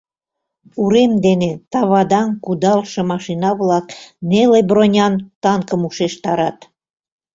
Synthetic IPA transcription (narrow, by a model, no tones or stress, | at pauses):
uɾemd̪enet̪ɑβɑd̪ɑnkud̪ɑlʃĕmɑʃinɑβlɑknelebronʲɑnt̪ɑŋkəmuʃeʃt̪ɑɾɑt̪